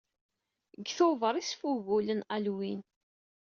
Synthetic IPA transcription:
ɡθovəɾˤisfuɣulənælwin

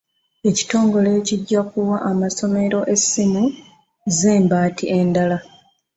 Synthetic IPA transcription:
e̞ci̥to̞ːŋɡole̞ːciɟːakuwaʔːmaso̞me̞ɾo̞ʔe̞simu | ze̞ːmbaːtiʔe̞ndala

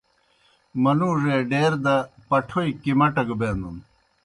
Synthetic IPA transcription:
mɐnuːʐeɖeːɾd̪ɐpɐʈʰoikimɐʈɐɡbeːnd̪un

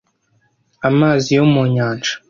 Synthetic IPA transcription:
amaːzijomuɲaːnʒḁ

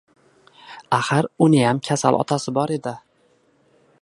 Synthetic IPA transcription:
aχaɾʊnɪjamkʲʰasa̰lʔɒ̰t̪ʰasɪbɒɾe̞d̪ɪ

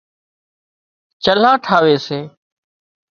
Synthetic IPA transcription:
t͡ʃəl̤aːʈʰaːʋeːseː

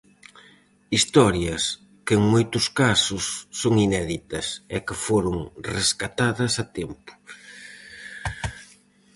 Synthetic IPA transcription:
ist̪ɔɾjɐs | keŋmojt̪ʊskasʊsːoŋinɛðit̪ɐsɛkɪfoɾʊŋreskat̪aðɐsɐt̪ɛmpʊ̥

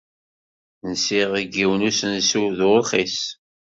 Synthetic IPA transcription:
nsiʁiɡːiwnusənsuðɾχis

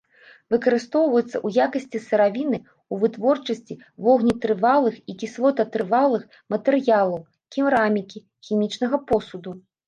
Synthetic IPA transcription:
vɨkɐɾɨst̪ɔwvɐjɛt̪sːɐ̰ʔujakɐsʲt͡sʲisɐɾavʲinɨ | uvɨt̪vɔrt͡ʂɐsʲt͡sʲi | vɔɣnʲit̪ɾɨvalˠɨxikʲislˠɔt̪ɐt̪ɾɨvalˠɨx | mɐt̪ɛɾɨjalˠɐw | kʲimɾamʲikʲi | xʲimʲit͡ʂn̪ɐɣɐpɔsud̪u

